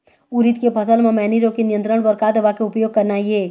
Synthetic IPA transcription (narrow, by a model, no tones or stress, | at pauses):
uɾit̪kepʰəsəlmẽmɛːniɾõkenijə̃nt̪ɾəɽ̃bəɾkad̪eʋakeʊpjoːɡ̚kəɾnaie